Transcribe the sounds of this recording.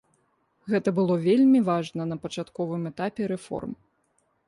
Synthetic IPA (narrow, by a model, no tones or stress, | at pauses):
ɣɛt̪ɐbɨlˠɔvʲelʲmʲivaʐnɐnɐpɐt͡ʂat̪kɔvɨmɛt̪apʲɛɾɛfɔ̰rm